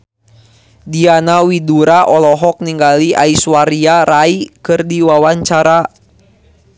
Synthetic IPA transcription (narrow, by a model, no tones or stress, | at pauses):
dianawiduɾaʔɔlɔɦɔk̚niŋɡaliʔa̰iswaɾiaɾaikɨrdiwawaɲt͡ʃaɾa